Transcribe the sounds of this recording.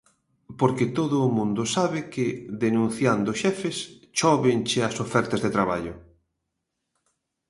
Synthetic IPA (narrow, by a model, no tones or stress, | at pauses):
poɾkɪt̪oðʊːmũnd̪ʊsaβɪkɪðenũn̟θjand̪ʊʃɛfɪst͡ʃɔβɪnt͡ʃɪɐsofɛɾt̪ɐzðet̪ɾaβaʎʊ